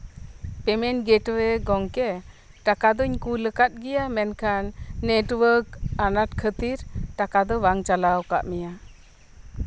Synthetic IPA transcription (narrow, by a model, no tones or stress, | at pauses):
pɛmɛnɡɛʈwɛɡɔŋkɛ | ʈakad̪ɔɲkuləkat̪̚ɡɛjamɛnkʰanːeʈwəɾkanat̚kʰət̪iɾʈakad̪ɔwaŋt͡ʃalawka̰ʔmɛja